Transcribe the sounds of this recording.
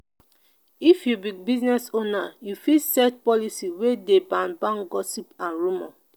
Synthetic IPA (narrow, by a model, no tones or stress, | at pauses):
ifjubibiznɛsonajufisɛtpɔlisiwedebãnbãŋɡɔsipãnɹumɔ̰